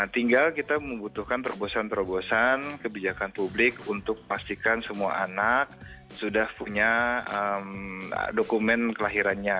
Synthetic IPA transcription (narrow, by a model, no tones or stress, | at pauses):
at̪iŋɡalkit̪aməmbut̪uhkant̪əɾobosant̪əɾobosankəbid͡ʒakanpublɪkunt̪ʊk̚əmast̪ikansəmua̰ʔanak̚ | sudahpuɲaəm̰dokumɛnkəlaɦiɾanɲa